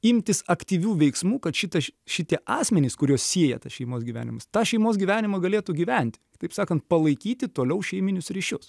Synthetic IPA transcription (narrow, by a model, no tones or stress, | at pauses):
ɪmʲt̪ʲɪsɐkt̪ʲiːʋʲuːʋʲɛɪksmuːkɐt̪ʃʲɪt̪ɐʃʲɪt̪ʲiɛʔɑːsʲmʲɛnʲɪskʊɾʲuɔssʲiɛjɛ̰t̪ɐsʃʲɛɪmoːsɡʲiʋʲæ̰ːnʲɪ̰mɐst̪ɑːʃʲɛɪmoːsɡʲiːʋʲæːnʲɪmɐɡɐlʲeːt̪uːɡʲiːʋʲɛnʲt̪ʲɪt̪ɐɪpsɑːkɐnt̪̚pɐlˠɐɪkʲiːt̪ʲɪt̪oːlʲɛʊʃʲɛɪmʲɪnʲʊsɾʲiːʃʲʊs